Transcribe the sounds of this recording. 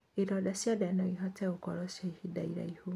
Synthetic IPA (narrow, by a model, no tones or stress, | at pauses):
eɾɔdasiadanɔ̃iɦɔtɛokɔ̰ɾɔʃaihida̰iɾa̰iho